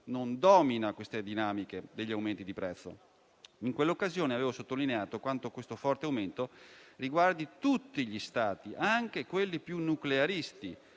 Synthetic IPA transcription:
nond̪ɔːminakwest̪ed̪inaːmiked̪eʎːiawment̪id̪ipɾɛt̪sːo̰ | iŋkwelːokːazjoːneaveːvosot̪ːolineaːt̪okwant̪okwest̪ofɔrt̪eawment̪oriɡward̪it̪ut̪ːiʎist̪aːt̪iʔaŋk̟ekwelːipjunːukleaɾist̪i

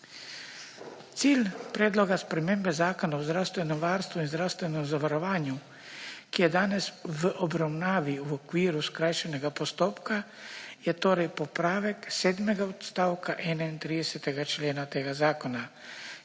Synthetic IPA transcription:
t̪siːlpɾɛːd̪lɔɡaspɾɛmeːmbɛzaːkɔnaɔzd̪ɾaːwst̪ʋɛnɛmʋaːɾst̪ʋuinzd̪ɾaːwst̪ʋɛnɛmzaʋaɾɔʋaːnju | kijɛd̪aːnɛsʋəʔɔbɾawnaːʋiwɔkʋiːɾuskɾajʃɛnɛɡapɔst̪oːpka | jɛt̪oːɾɛjpɔpɾaːʋɛkseːd̪mɛɡaɔt̪st̪aːwkaʔɛːnaint̪ɾiːd̪ɛsɛt̪ɛɡat͡ʃleːnat̪eːɡazaːkɔna

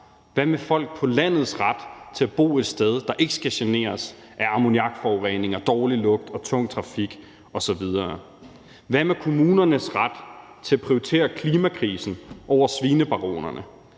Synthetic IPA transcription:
ʋæmefɒ̽l̰ɡ̥̚pʰɒ̽læn̰ð̞̩ˠsʁad̥t͡sʰe̝æb̥o̝̰ːe̝d̥sd̥eð̞ˠd̥ɑ̈ʔe̝ɡ̥əsɡ̥æɕene̝̰ːɐs | ʔæɐɑ̈mo̝niɑ̈ɡ̥fɒʊʁḛne̝ŋɐd̥ɒːlilɔ̽ɡ̥̚d̥ɒ̽t͡sʰɔ̽ŋ̰t͡sʰʁɑ̈fiɡ̥ | ɒ̽sɒ̽ʋið̞ˠɐː | ʋæmekʰo̝muːnɐnəsʁɑd̥ | t͡sʰe̝æpʰʁioit͡sʰe̝̰ːɐkʰliːmækʰʁiːsn̩ʔɒʊ̰ɐsʋiːnəb̥ɑ̈ʁo̝̰ːnɐnə

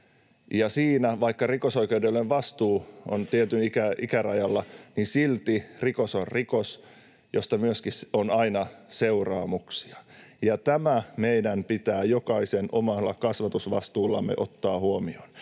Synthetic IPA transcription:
jɑsiːnæʋɑikːɑrikosoikeudelːeʋʋɑst̪uːo̰nt̪iet̪ynikæikærɑjɑlːɑnisilt̪irikosorrikos | jost̪ɑmyøskisonɑinɑseurɑːmuksiɑjɑt̪æmæmeidæmpit̪æːjokɑisenomɑlːɑkɑsʋɑt̪usʋɑst̪uːlːɑ̰mːḛʔot̪ːɑːhuomion

